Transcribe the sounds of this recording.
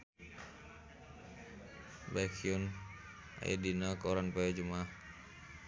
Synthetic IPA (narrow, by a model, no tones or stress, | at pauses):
bakʰiun | a̰ja̰dinakoɾanpɛad͡ʒumah